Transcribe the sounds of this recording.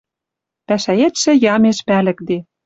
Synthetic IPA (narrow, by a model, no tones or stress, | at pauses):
pæʃæet̪ʃɘ̆jɑmeʃpælɘ̆kd̪e